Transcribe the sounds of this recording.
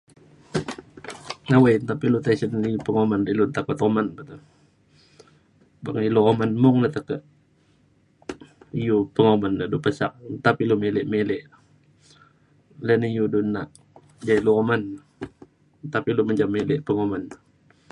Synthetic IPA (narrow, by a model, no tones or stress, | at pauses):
awejt̪apilut̪asənipəŋomanlilunt̪akʊt̪omanbət̪u | baŋiluomanmʊŋlat̪əkəʔ | ijupəŋomandədupəsak̚t̪apilumelɪʔmelɪʔ | lɛnijudunaʔ | d͡ʒailuoman | t̪apiluməɲd͡ʒamːelɪʔpəŋoman